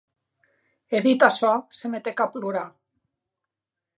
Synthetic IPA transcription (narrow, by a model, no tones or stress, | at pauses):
eðit̪asɔsemet̪ekapluɾa